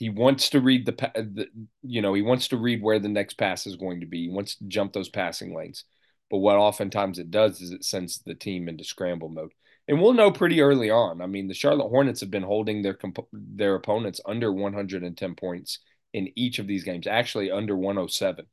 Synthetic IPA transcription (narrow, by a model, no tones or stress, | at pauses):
hiwɑ̃ntstʰɨɹid̪̚ðɨpʰæðɨjɨnoʊiwɑ̃ntstɨɹid̚wə˞ðɨnɛkspʰæsɨzɡoʊɪ̃ŋtʰɨbiiwɑ̃ntstʰɨd͡ʒʌ̃mp̚ðoʊz̥pʰæsɪ̰̃ŋlḛ̃ɪ̃nz̥ | b̥ʌt̚wʌɾɑfɨ̃ntʰãɪ̃mzɨt̚d̥ʌzɨzɨtsɛ̃nzðɨtʰĩmɪ̃ntɨskɹæ̃mbl̩ˠmoʊd̥̚ | ʔɨ̃nwilˠnoʊpʰɹ̥ɪɾiɜ˞lˠiə̃naɪmĩnðɨʃɑɹlˠət̚hɔɹnɨtshɨvbɨ̃nɦoʊlˠdɪ̃ŋðə˞kʰm̩pʰðə˞ɨpʰõʊ̃nɨ̃ntsʌ̃ndə˞wʌ̃nɦʌ̃ndɹɨɾɨ̃ntʰɛ̃npʰɔ̃ɪ̃nts | ɨ̃nit͡ʃʌvðizɡẽɪ̃mzæk̚t͡ʃʉl̩ˠiʌ̃ndə˞wʌ̃noʊsɛvɨ̃n